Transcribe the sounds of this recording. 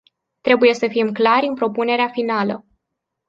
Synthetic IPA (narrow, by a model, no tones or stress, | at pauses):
t̪ɾe̞buje̞səfimklaɾʲɨnpɾo̞pune̞ɾeafinalə